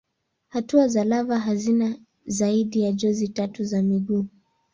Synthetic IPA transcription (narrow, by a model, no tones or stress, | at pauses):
hatuazalavaɦazina | zaiɗijaʄɔzitatuzamiɠuː